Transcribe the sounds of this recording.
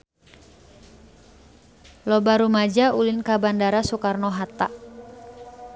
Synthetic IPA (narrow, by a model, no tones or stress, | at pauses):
lɔbaɾumad͡ʒaulɪnkabandaɾasukarnɔɦat̪aʔ